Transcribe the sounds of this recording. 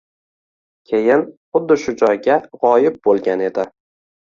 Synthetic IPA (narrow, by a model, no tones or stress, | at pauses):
kʲʰejɪnχʊd̪ːɪʃʊd͡ʒɒjɡʲaʁɒjɪp̚bolˠɡʲane̞d̪ɪ